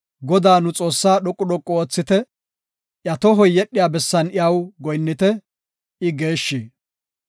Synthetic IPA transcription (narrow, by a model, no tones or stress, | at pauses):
ɡɔd̪aːnʊt͡sʼoːsːaːɗɔkʼːʊɗɔkʼːɔoːt͡sːɪt̪ɛ | ʔjɐt̪ɔɦɔjːɛɗːɪjaːbɛsːɐnɪjɐwɡɔjnːɪt̪ɛ | ɪɡe̞ːʃːi